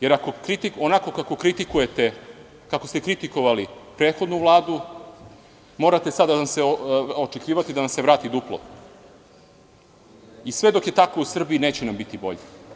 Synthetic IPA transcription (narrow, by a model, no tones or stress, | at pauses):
je̞ɾako̞kɾit̪ionako̞kako̞kɾit̪ikuje̞t̪e̞ | kakost̪ekɾit̪iko̞ʋalipɾeːt̪xo̞d̪nuʋlˠaːd̪u | mo̞ːɾat̪esad̪anamseot͡ʃekiːʋat̪id̪anamse̞ʋɾaːt̪id̪uplˠo̰ | isʋe̞d̪o̞kje̞t̪akousr̩biineːt͡ɕenambit̪ibo̞̰ʎe